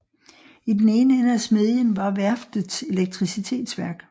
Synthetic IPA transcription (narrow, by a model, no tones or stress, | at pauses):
id̥ene̝ːnəenæsme̝ðˠjənʋɑ̈ʋæɐfd̥se̝leɡ̥̚t͡sʰʁisit͡sʰe̝̰ːd̥sʋæɐɡ̥